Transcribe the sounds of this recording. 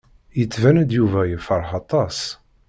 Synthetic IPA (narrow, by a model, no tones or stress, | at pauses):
jət͡sːvænæd̪juvæjəfəɾˤħɑt̪ˤɑs